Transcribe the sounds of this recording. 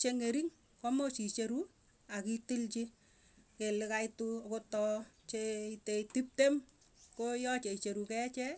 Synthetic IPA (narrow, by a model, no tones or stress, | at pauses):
t͡ʃeŋeɾiŋ | kɔmot͡ʃit͡ʃeɾu | akitilt͡ʃi | kelɪkaitukotɔt͡ʃeitetip̚tem | kojɔt͡ʃeit͡ʃeɾukɛt͡ʃɛ